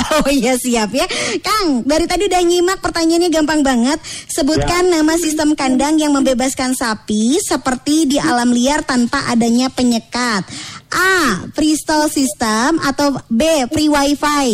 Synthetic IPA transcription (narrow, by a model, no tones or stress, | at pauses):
ojasiapjakaŋdaɾit̪adidahɲimak̚pərt̪aɲaːnɲaɡampaŋbaŋət̪̚səbut̪̚kanːamasist̪əmkandaŋjaŋməmbebaskansapisəpərt̪idiʔalamliart̪anpaʔadaɲapəɲəkat̪̚ʔafɾist̪alsist̪əmat̪awbefɾiwaifaj